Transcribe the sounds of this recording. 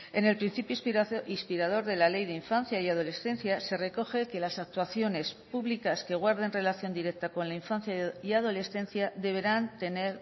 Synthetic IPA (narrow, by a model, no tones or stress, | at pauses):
e̞ne̞lpɾin̟θipjoispiɾað̞o̞ɾðe̞lale̞jðeiɱfanθjaiað̞o̞le̞sθẽ̞n̟θjase̞re̞ko̞xe̞ke̞lasak̚t̪waθjo̞ne̞spuβlikaske̞ɣ̞waɾðe̞nre̞laθjo̞nd̪iɾe̞k̚t̪ako̞nlaiɱfanθjaiaðo̞le̞sθe̞n̟θjaðe̞β̞e̞ɾant̪e̞ne̞ɾ